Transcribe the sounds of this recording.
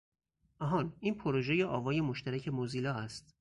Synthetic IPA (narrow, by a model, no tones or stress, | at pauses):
ʔɒɦɒːniːnpʰoɾoʒe̞jeʔɒːvɒːje̞moʃt̪ʰæɾæcʰe̞moziːlɒːæst̪